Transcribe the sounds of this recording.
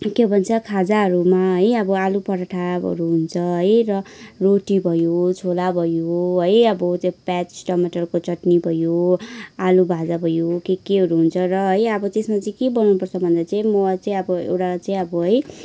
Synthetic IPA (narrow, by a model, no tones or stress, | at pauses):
kebʱʌnt͡sʰʌkʰad͡zaɦʌɾumaɦʌjʌbʌalupʌɾaʈʰabʌ̰ɾuɦunt͡sʰʌɦʌjrʌroʈibʱʌjot͡sʰolabʱʌjoɦʌjʌbʌt͡sapat͡ssʈʌmeʈʌrkot͡sʌʈnibʱʌjoalubʱad͡zabʱʌjokekeɦʌɾuɦunt͡sʰʌrʌɦʌjʌbʌt̪esmat͡saĩkebʌnnupʌrt͡sʰʌbʱʌnd̪at͡saĩmʌt͡saĩʌbʌḛwʈat͡saĩʌbʌɦʌj